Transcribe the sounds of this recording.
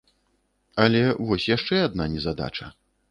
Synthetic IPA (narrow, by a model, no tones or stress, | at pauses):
ɐlʲɛvɔsʲjaʂt͡ʂɛad̪̚nanʲɛzad̪a̰t͡ʂɐ